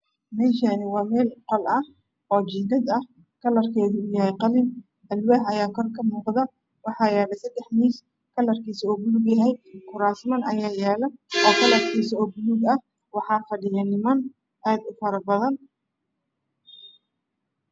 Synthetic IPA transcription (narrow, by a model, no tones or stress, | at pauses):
mɛːʃaːnɪwɑːmɛːlqɔlɐh | ɔːt͡ʃɪɡ̪ɐd̪ɐh | kʰɐlɐrkʰɛːðɪʊjɐɦɛjqɑlɪn | ɐlwɛɦɐjaːkʰɔrkʰɐmuːqðɐ | wɑħɑːjɛːlɐsɐd̪ɛħniːs | kʰɐlɐrkʰiːsuːbʊluɡjɐɦɛjkʰʊɾaːsmɐnɐjaːjɛːlɐʔɔːkʰɐlɐrkʰiːsɔːbʊluɡɐh | wɑħɑːfɐɖɪjɐnɪmɐn | ʔaːd̪ʊfɐɾɐbɐðɐn